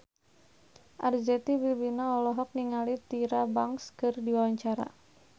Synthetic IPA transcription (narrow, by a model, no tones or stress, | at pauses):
ʔard͡ʒɛt̪ibibinaɔlɔɦɔk̚niŋalit̪iɾabaŋskɨrdiwawaɲt͡ʃaɾa̰